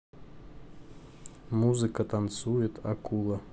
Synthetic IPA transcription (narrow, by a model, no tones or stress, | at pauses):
muzɨkət̪ant̪sujɪt̪akulˠə